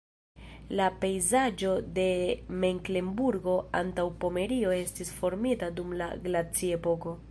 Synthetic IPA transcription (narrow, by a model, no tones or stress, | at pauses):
lape̞jzad͡ʒo̞de̞meŋkle̞mbuɾɡo̞a̰ntawpo̞me̞ɾio̞e̞stisfo̞ɾmitadumlaɡlat͡siepo̞ko̞